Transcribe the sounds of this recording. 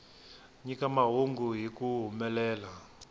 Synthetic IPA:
ɲikamaɦoŋɡuɦikuɦumɛlɛːla

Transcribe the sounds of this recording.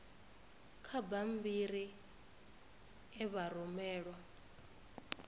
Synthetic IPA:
kʰabam̩biɾi | ɛβaɾɔmɛːɺwa

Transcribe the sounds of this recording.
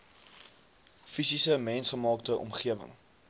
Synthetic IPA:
fisisəmɛnsχəmɑːk̚təʔɔ̰mχiəvə̰ŋ

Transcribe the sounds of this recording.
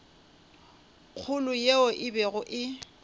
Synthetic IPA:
k͡xʰʊlʊjeoʔɪbɛɣʊʔɪ

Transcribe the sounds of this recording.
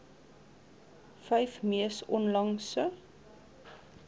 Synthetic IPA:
fɛjfmiəsɔnlɐŋsə

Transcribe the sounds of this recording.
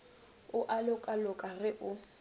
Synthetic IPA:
ʊʔalʊkʼalʊkʼarɪʔʊ

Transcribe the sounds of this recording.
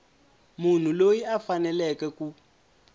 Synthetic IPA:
mun̤ulojiafanɛlɛkɛku

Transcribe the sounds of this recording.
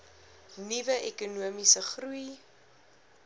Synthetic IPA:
nivəʔɛkunuəmisəχruj

